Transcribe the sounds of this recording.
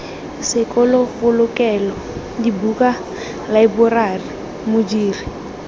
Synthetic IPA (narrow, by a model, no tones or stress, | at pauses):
sɪkʼɔlɔfʊlʊkɛlɔ | dibuka | laibʊrari | mʊd͡ʒiːri